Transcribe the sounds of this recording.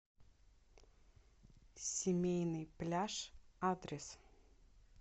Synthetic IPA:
sʲɪmʲejnɨjplʲaʂad̪ɾʲɪs

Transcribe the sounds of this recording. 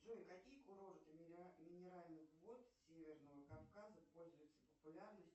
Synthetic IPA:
ʐokɐkʲijəkʊɾo̞ʐt̪əmʲɪmʲɪnʲɪɾalʲnɨxvo̞t̪sʲevʲɪrnəvəkɐfkazəpo̞lʲzʊjʊt̪sə̥pəppʊlʲarnəsʲtʲ

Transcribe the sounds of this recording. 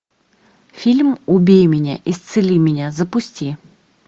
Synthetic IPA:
fʲilʲmʊbʲejmʲɪnʲa̰ʔɪst̪sɨlʲimʲɪnʲazəpʊsʲtʲi

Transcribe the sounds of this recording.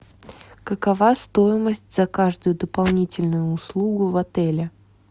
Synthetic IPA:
kəkɐvast̪ojɪməsʲtʲz̥ɐkaʐd̪ʊjʊd̪əpɐlˠnʲitʲɪlʲnʊjʊːslˠuɡʊvɐt̪ɛlʲɪ

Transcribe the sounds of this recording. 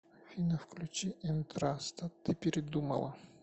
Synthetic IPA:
fʲinɐfklʲut͡ɕiɛnt̪ɾast̪at̪ɨpʲeɾʲɪd̪umɐlˠa

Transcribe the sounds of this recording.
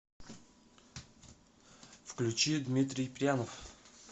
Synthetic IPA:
fklʲut͡ʃid̪mʲit̪ɾijpɾʲjanof

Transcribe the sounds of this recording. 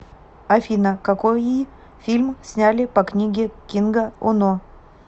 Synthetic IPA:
ɐfʲinəkakoji | fʲilʲmsʲnʲalʲɪpɐknʲiɡʲɪkʲinɡəono

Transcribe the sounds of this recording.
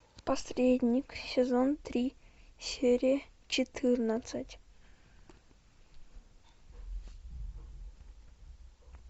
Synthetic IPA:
pɐsrʲedʲnʲiksʲɪzont̪ɾʲisʲeɾʲijət͡ɕɪt̪ʰɨrnət̪sɨtʲ

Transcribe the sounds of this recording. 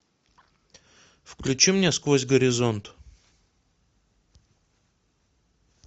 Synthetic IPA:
fklʲʉt͡ɕimnʲeskvozʲɡəɾʲɪzont̪

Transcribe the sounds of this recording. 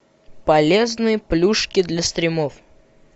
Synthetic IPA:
pɐlʲe̞znɨjəplʲuʂkʲɪd̪lʲɐst̪ɾʲɪmof

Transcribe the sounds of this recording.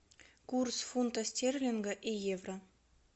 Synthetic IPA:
kursfunt̪ɐsʲtʲerʲlʲenɡəʔijevro

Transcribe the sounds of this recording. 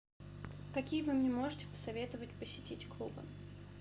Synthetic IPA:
kɐkʲijəvɨmnʲemo̞ʐɨtʲɪ̥pə̥sɐvʲe̞t̪əvətʲpəsʲɪtʲitʲklˠubə̰

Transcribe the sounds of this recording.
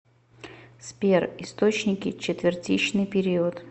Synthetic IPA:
spʲerist̪ot͡ɕnʲɪkʲɪt͡ɕɪt̪vʲɪrtʲit͡ɕnɨjpʲɪɾʲiɔt̪

